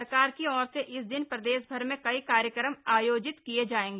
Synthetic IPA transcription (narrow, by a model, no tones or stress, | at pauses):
ɾkaːɾkiɔːɾseʔɪsd̪ɪnpɾɐd̪eːʃbʱɐɾmẽkɐikaːɾjəkɾəmaːjoːd͡ʒɪt̪kied͡ʒaːẽːŋɡeː